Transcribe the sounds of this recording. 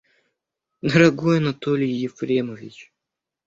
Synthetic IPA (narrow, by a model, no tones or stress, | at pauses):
d̪ɐɾɐɡojɐnɐt̪olʲɪjjɪfɾʲemovʲit͡ɕ